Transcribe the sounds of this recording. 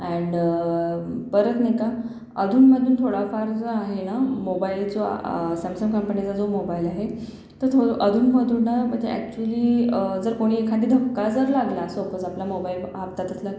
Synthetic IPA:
ɛ̃ɳɖ | pəɾət̪neka | əd̪ʱuːnməd̪ʱuːnt̪ʰoɽafaɾd͡zəaɦenamobailt͡sosəmsəmkəmpənit͡sad͡zomobailaɦe | t̪əɾt̪ʰoʔəd̪ʱuːnməd̪ʱuːnːaməɡd͡zḛæ̰k̚t͡ɕuəliːd͡zəɾkoɽ̃iːekʰad̪iːd̪ʱəkːad͡zəɾlaɡlaːsopəd͡zaplamobail | apt̪at̪əsla

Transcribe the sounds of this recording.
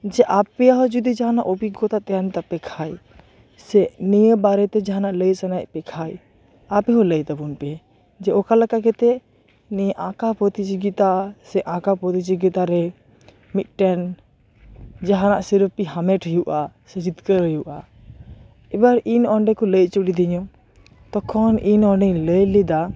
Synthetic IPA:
d͡ʒɛʔapɛjaɦɔd͡ʒud̪id͡ʒaɦanaʔobiɡɔt̪at̪ɛjant̪apɛkʰaj | sɛʔnijəbaɾɛt̪ɛd͡ʒaɦanaʔləjsanajpɛkʰaj | apɛɦɔləjt̪abunpɛ | d͡ʒɛɔkaləkaɡɛt̪ɛ | nɛʔãkapɾɔt̪it͡ʃiɡit̪asɛʔãkapɾɔt̪it͡ʃiɡit̪aɾɛ | mit̪̚ˀʈɛn | d͡ʒaɦanaʔsiɾəpiɦamɛʈʰɦəjuʔasɛd͡ʒit̪kəɾɦəjuʔa | ɛbaɾinɔɳɖɛkɔləjt͡ʃuɽid̪iɲɔ | t̪ɔkʰɔninɔɳɖɛləjlid̪a

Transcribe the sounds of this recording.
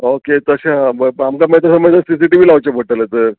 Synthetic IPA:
oket̪əɕãbəamkamet̪əsaməd͡z̪əsis̬iʈibiːlaʋt͡ɕapəʈələt̪əɾ

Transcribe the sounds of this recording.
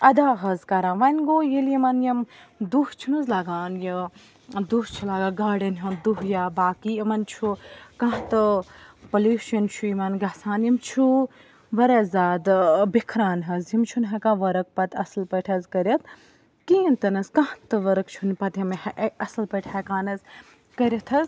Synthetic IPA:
ɐd̪aːɦɐzkɐɾãːnʋɐnʲɡoːjiljimɐnjɐmd̪uht͡ʃʰunuzlaɡaːnji | d̪uɦt͡ʃʰulaːɡaɡaːɽɐnɦund̪uɦjaːbaːkiːɐmɐnt͡ʃʰukãɦt̪ɨpɐluːʃɐnt͡ʃʰuimɐnɡɐsaːnjimt͡ʃʰu | ʋɐɾeːzaːd̪bikʰɾaːnɦɐzjimt͡ʃʰunɦɐkãːʋɐɾɐk̚pɐt̪ʰɐslpɐʈʰɐzkɐɾʲɐt̪̚ʰ | kiːnt̪ɐnɐskãht̪ɨʋɐɾɐkt͡ʃʰunpɐt̪jɐmhɐʔɐsɨlpɐʈʰɐkaːnɐz | kɐɾʲɐt̪ʰɐz

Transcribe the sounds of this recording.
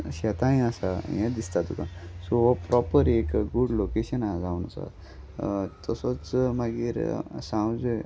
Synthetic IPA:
ɕɛt̪ãj̃asajɛ̃d̪ist̪at̪ukãsoɔpɾɔpəɾekɡuɖlokeɕənad͡zawna̰sa̰ | t̪ɔsɔt͡smaɡiɾsãwd͡ze

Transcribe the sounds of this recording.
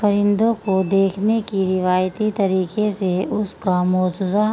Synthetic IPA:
ɐɾɪ̃nd̪õkod̪eːkʰnekiɾɪʋaːjt̪it̪ɐɾiːkeseʊskamɔːd͡ʒʊza

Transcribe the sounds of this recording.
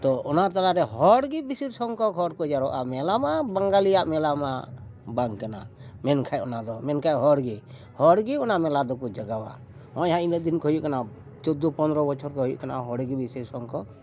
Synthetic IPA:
t̪ɔɔnaɾt̪aɾaʔɾɛɦɔɽɡibisiɾsɔŋkɔkʰɔɽkɔd͡ʒaɾɔʔa̰mɛlamabaŋɡalijaʔmɛlamabaŋkana̰mɛnkʰajɔnad̪ɔmɛnkʰajɦɔɽɡi | hɔɽɡiɔnamɛlad̪ɔkud͡ʒaɡawa̰ | ɔjɦãinəd̪inkɔɦjuʔkana | t͡ʃɔd̪ɔpɔnd̪ɾɔbɔt͡ʃʰɔɾkɔɦɔjṵʔkanaɦɔɽɡibisiɾsɔŋkɔ

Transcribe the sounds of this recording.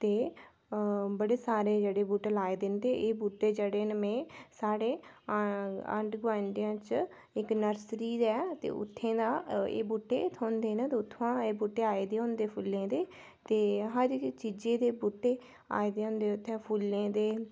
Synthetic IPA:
t̪eː | bəɽeːsaːɾeːd͡ʒeːɽeːbuːʈəlaːeːd̪ɪnd̪eːʔeːbuːʈːeːd͡ʒeːɽeːnəmẽːsaːɽeː | ə̰ɳʈɡʋãːnɖ̪ijãːt͡ʃ | ɪknəɾsɾiːɛːt̪ḛːʊ̰t̪ʰːẽːd̪aːḛːbuːʈːeːt̪ʰoːnd̪eːnaːt̪eːʊt̪ʰːãːeːbuːʈːeːaːeːd̪eːɦʊ̃nd̪eːpʰʊlẽːd̪eː | t̪eːɦə̃ɾt͡ʃiːd͡ʒeːd̪eːbuːʈːeː | a̰ːeːd̪eːɦʊ̃nd̪eːʊt̪ʰːẽːpʰulẽːd̪eː

